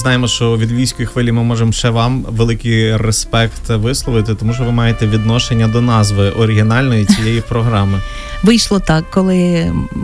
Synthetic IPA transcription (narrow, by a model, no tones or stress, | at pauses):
znɑjemɔʃt͡ʃɔʋʲid̪ʋʲilʲsʲkɔjixʋɪlʲimɪmɔʒemɔʃt͡ʃɛʋɑmʋelˠɪkɪjɾespɛkt̪ʋɪslˠɔʋɪt̪ɪt̪ɔmuʃt͡ʃɔʋɪmɑjet̪ɛʋʲid̪nɔʃenʲːɐd̪ɔnɑzʋɪʔɔɾɪɦʲinɑlʲnɔjit͡sʲijɛjipɾɔɦɾɑmɪ | ʋɪjʃlˠɔt̪ɑkːɔlˠɪ